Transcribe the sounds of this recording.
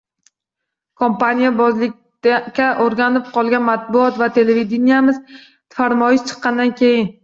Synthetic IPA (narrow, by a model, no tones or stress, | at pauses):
kʰompanʲijabɒzlɪk̚ʲ | kʲːaʔoɾɡʲanɪp̚qʰɒlˠɡʲanmat̪̚bʊɒt̪vat̪ʰe̞leved̪enijamɪz | faɾmɒjɪʃt͡ʃʰɨ̥qːɑnd̪ankʲʰe̞jɪn